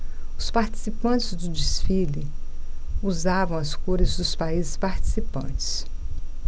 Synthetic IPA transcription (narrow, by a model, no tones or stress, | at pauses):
ʊspaɾt͡ʃi̥sipɐ̃t͡ʃɪzd̪ʊd͡ʒisfilɪ | uzavɐ̃w̃ɐskoɾɪzd̪ʊspaizɪspaɾt͡ʃi̥sipɐ̰̃t͡ʃɪ̥s